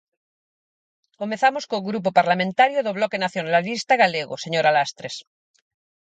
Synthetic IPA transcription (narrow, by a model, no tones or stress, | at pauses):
komẽθamoskoɣɾup̬opaɾlamẽnt̪aɾjoðoβlɔkenaθjonaalist̪aɣaleɣoseɲoɾalast̪ɾes